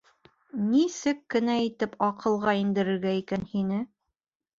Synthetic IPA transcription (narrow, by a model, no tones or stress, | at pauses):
nisɘkːɘ̆næit̪ɘpɑqʰɤ̆lˠʁɑind̪ɘ̆ɾɘ̆ɾɡæikænhinɘ